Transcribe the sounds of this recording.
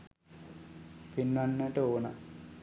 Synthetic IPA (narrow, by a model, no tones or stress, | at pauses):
pinːanːəʈəoːna